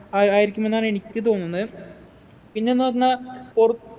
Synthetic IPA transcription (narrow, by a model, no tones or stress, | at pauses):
aaːjiɾikʲːume̞nːaːne̞ɳikʲːɨt̪̬o̞ːnːunːɐð | pinːenːɐɐnːɐporu